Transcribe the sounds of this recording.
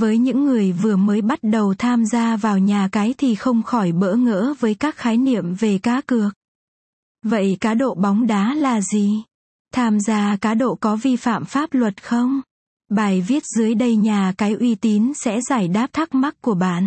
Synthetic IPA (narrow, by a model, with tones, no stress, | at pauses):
vəː˨˦jɲɨ̰˧˥ŋːɨ˨˩əjvɨ˨˩əməː˨˦jɓa˦˥t̚ɗə˨˩wt̪ʰaː˧mzaː˧vaː˨˩wɲaː˨˩kaː˨˦jt̪ʰi˨˩xə˧wŋ͡mxɔ˧˩jɓə̰ː˧˥ŋə̰ː˧˥vəː˨˦jkaː˦˥k̚xaː˨˦jnḭ˧˨əmve˨˩kaː˨˦kɨ˨˩ək̚ | və̰˧˨jkaː˨˦ɗo̰˧˨ɓɔ˨˦wŋ͡mɗaː˨˦laː˨˩zi˨˩ | t̪ʰaː˧mzaː˧kaː˨˦ɗo̰˧˨kɔ˨˦vi˧fa̰ː˧˨mfaː˦˥p̚lwə˨˩t̚xə˧wŋ͡m | ɓaː˨˩jvi˦˥ət̚zɨ˨˦əjɗə˧jɲaː˨˩kaː˨˦jʔwi˧t̪i˨˦nsɛ̰˧˥zaː˧˩jɗaː˦˥p̚t̪ʰa˦˥k̚ma˦˥k̚ku˧˩əɓa̰ː˧˨n